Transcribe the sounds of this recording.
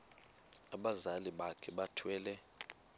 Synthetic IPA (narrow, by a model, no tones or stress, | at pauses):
aɓazaliɓakʰɛɓatʰwɛːlɛ